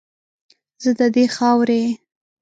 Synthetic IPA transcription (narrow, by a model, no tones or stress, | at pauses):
z̥əd̪əd̪exɑwɾe